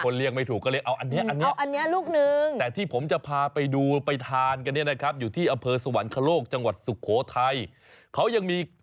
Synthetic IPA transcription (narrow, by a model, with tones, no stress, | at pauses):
kʰo˧nli˥˩k̚ma˥˩jt̪ʰuː˨˩kːɔː˧˥li˦˥˩k̚ʔa˧wʔa˧nːi˦˥ɐʔa˧nːi˦˥˧ʔa˧nːi˦˥ɐluː˥˩k̚nɯ˨˧ŋt̪ɛː˨˩t̪ʰiː˥˩pʰo˩˦mt͡ɕa˨˩pʰaː˧pa˧jduː˧pa˧jt̪ʰaː˧nka˧nːi˥˩ɐna˦˥kʰɾp̚juː˨˩iː˥˩ʔa˧mpʰɤː˧sa˧wa˩˦nkʰa˧loː˥˩k̚t͡ɕa˧ŋwa˨˩t̪̚su˨˩kʰoː˩˦t̪ʰa˧j | kʰa˦˥wja˧ŋmiː˧